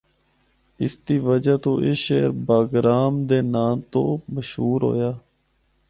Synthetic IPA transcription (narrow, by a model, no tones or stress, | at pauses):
ɪsd̪iːʋəd͡ʒaːt̪õːʔeːʃeːɾbaːɡɾaːmd̪eːnaːmt̪õːməʃɦuːɾɦo̰ːjaː